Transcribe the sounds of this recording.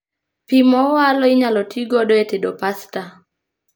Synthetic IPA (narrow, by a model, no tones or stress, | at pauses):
pimɔwalɔiɲalɔtʰiɡɔdɔetedɔpasta